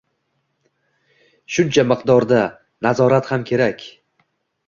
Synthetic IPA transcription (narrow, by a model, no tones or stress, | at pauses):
ʃʊnt͡ʃʰamɨqd̪ɒɾd̪a | nazɒɾat̪hamkʲʰe̞ɾakʲ